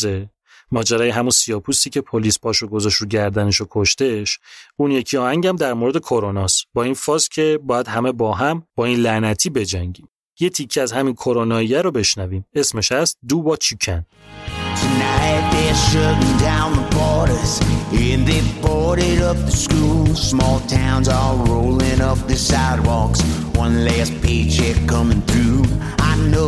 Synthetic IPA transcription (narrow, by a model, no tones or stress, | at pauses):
ze | mɒːd͡ʒæɾɒːjeɦæmunsiɒːpʰust̪iːcʰe̞pʰoliːspʰɒːʃoɡo̞zɒʃɾuɟæɾd̪æne̞ʃokʰoʃt̪e̞ʃuːnje̞cʰiɒːhæŋɟæmd̪æɾmoɾe̞d̪ekʰo̞ɾonɒst̪bɒːinfɒːscʰe̞bɒːjæd̪̥ɦæme̞bɒːɦæmb̥ɒːiːnlænæt̪ʰiːbe̞d͡ʒæŋɟiːm | je̞t̪ʰicʰːeæzhæminkʰo̞ɾonɒːijæɾobe̞ʃnæviːme̞sme̞ʃæst̪̚d̪uːbɒːt͡ʃʰicʰæn | tʰɨnaɪt̪̚ðə˞ʃʌɾn̩dãʊ̃nðəpʰɔɹɾəsɪ̃nðebʰɔɹɾɪɾʌp̚ðɨskulˠsmɔlˠtʰãʊ̃nzəlˠɹoʊlˠɪ̃ŋʌp̚ðɨsaɪd̚wɔks | wʌ̃nlæspʰeɪt͡ʃʰɛkkʰʌmɪ̃ŋθɹʉ | aɪno